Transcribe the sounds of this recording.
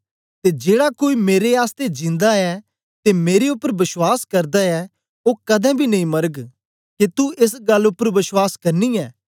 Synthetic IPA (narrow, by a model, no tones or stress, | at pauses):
t̪ed͡ʒeːɽakoːimeːɾeaːst̪ed͡ʒɪ̃nd̪aɛ | t̪emeːɾeʊpːəɾbɪswaːskɐɾd̪aɛ | okɐd̪ɛ̃bʱinɐĩmɐɾəɡ | ket̪uɪsɡɐlːʊpːəɾʋɪswaːskɐɾniɛː